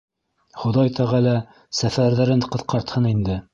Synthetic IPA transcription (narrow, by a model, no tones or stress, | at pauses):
χŏðɑjt̪ʰæʁælæ | sæfæɾðæɾɘnqɤ̆θqɑɾt̪hɤnind̪ɘ